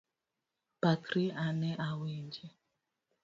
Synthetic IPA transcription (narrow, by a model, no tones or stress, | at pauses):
pakɾianɛʔawiɲd͡ʒɛ